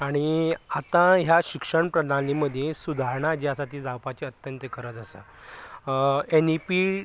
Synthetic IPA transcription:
aɽ̃iat̪ãɦjaɕikʂəɳpɾəɽaniməd̪ʱjesud̪ʱaɾɳad͡ʑiasat̪iːd͡zawpat͡ɕiət̪jənt̪jəkəɾət̪əsə̰ | enipi

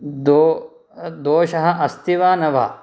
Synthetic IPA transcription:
d̪o | d̪oːʃɐɦɐ̆ʔɐst̪iʋaːnɐʋɐ̰

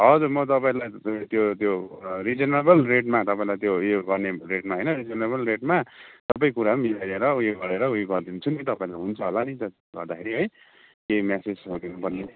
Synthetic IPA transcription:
ɦʌd͡zurmʌt̪ʌpaĩlajt̪jot̪jorid͡zʌnebʌlreʈ̚mat̪ʌpaĩlajt̪jojoɡʌrnereʈmaɦʌjnʌɾid͡zʌnebʌlreʈ̚mat̪ʌpaĩkuɾamisaɾeɾʌujeɡʌɾeɾʌujeɡʌrd̪int͡sʰunit̪ʌpaĩlajɦunt͡sʰʌɦolanit̪ʌ | ɡʌ̰rd̪akʰeɾiɦʌj | kemjased͡zʌɡinupʌrne

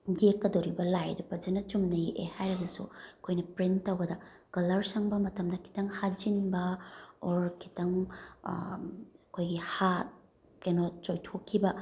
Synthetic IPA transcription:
dekːɐdoɾibɐlajdɐpɐd͡ʒɐnɐt͡ʃumnɐjiʔehajɾɐɡɐsṵɐkʰojnɐpɾintɐwɡɐdɐ | kɐlɐɾsɐŋbɐmɐtɐmdɐkʰi̥tɐŋhad͡ʒinbɐoɾkʰi̥tɐŋ | ɐkʰojɡiha | kajnot͡ʃojtʰokʰːibɐ

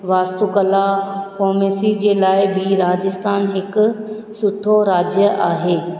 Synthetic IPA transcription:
ʋaːst̪ukəlakoːmeːsid͡ʑeːlaːɪbɪɾaːd͡ʑɪst̪ʰaːnɦɪkʊ̆ | sʊt̪ʰːoɾaːd͡ʑjəʔaːɦeː

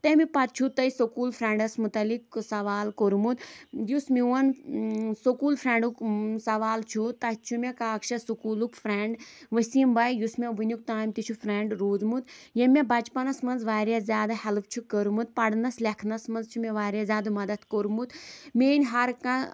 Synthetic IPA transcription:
t̪emipɐt̪̚t͡ʃʰut̪ɐjisokuːlfʰɾeɳɖɐsmut̪ɐliksɐʋaːlkoɾmut̪jusmiʋɐn | sokuːlfɾeɳɖuksɐʋaːlt͡ʃʰut̪ɐt͡ʃʰumʲekaːkʃɐsukuːlukfʰɾeɳɖʋɐsimbajjusmeʋɨnʲjuk̚t̪aːjmʲt̪it͡ʃʰufɾeɳɖɾoːd͡zmut̪jemʲebɐt͡ʃpɐnɐsmɐnzʋaːɾjazʲjaːd̪ahelp̚ʰt͡ʃʰukəɾumut̪̚pɐɽnɐslekʰnɐsmɐnzt͡ʃʰumeʋaːɾʲjazʲjaːd̪ɨmɐd̪ɐt̪ʰkoɾmut̪menʲɦɐɾkã

